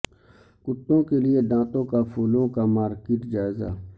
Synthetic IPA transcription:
kʊt̪ːõkelied̪ãːt̪õkapʰuːlõkamaːɾkɪʈd͡ʒaːɪza̰ː

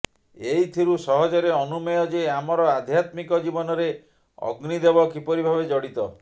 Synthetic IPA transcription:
eit̪ʰiɾusɔɦɔd͡ʒɔɾeɔnumɔjɔd͡ʒeamɔɾɔad̪ʱjat̪mikɔd͡ʒibɔnɔɾe | ɔ̰ɡnid̪ebɔkipɔɾibʱabed͡ʒɔɽit̪ɔ

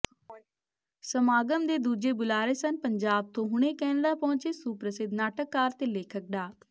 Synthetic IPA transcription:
səmaːɡəmd̪eːd̪uːd͡ʒeːbʊlaːɾeːsənpəɲd͡ʒaːb̚t̪õːɦʊɽ̃eːkɛːnlaːpɔ̃ːnt͡ʃeːsupɾəsɪd̪naːʈəkːaːɾt̪eːleːkʰək̚ɖaːt̪

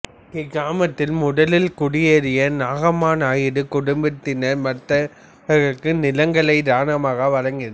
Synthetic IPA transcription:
kɪɣaːmɐt̪ːɪlmʊɽɐlɪlkʊɽɪjeːɾɪjɐnaːɣɐmaːnaːjɪɽɯkʊɽʊmbɪt̪ːɪnɐmɐt̪ːɐ | ɐɣɐkːɯnɪlɐŋɡɐɭɐɪd̪aːnɐmaːɣɐʋɐɻɐŋɡɪnɐ

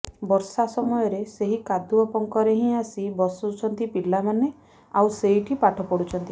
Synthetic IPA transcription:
bɔɾsasɔmɔjɔɾeseɦikad̪uɔpɔŋkɔɾeɦĩasibɔsɔut͡ʃʰɔnt̪ipilamane | awseɦiʈʰipaʈʰɔpɔɽut͡ʃʰɔnt̪i

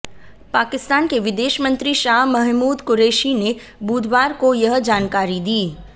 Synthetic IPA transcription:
paːkɪst̪aːnkeʋɪd̪eːʃmə̃nt̪ɾiʃaːɦmɐɦmuːd̪kʊɾeːʃine | buːd̪ʋaːɾkojɐɦd͡ʒaːnkaːɾid̪iː

